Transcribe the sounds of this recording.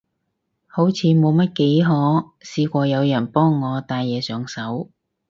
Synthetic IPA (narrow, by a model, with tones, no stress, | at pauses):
ho˨˥wt͡sʰiː˨˧mo˨˧wmɐ˥t̚ke˨˥jɦɔː˨˥ | siː˧kʷɔː˧jɐ˨˧wjɐ˨˩npɔː˥ŋːɔː˨˧t̪aː˧jjɛː˨˧sœː˨ŋsɐ˨˥w